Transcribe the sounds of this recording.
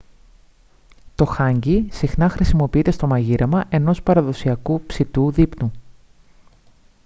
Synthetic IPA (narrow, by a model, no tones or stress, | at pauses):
t̪o̞xɐɲɟisixnɐxɾisimo̞piit̪est̪o̞mɐʝiɾʔɐmɐʔe̞no̞spɐɾɐðo̞siɐkupsit̪uðipnu